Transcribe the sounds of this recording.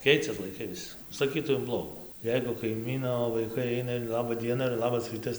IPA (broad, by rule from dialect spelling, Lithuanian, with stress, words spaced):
ˈkʲɛɪt͡sʲɛs lˠɐɪˈkɐɪ ˈʋʲɪs sɐˈkʲiːtɐʊ ɪn ˈblˠoːɡuː ˈjɛɪɡʊ kɐɪˈmʲiːnoː ʋɐɪˈkɐɪ ˈɐɪnɐ ɪr ˈlˠɑːbɐ ˈdʲiɛnɐ ɪr ˈlˠɑːbɐs ˈrʲiːtɐs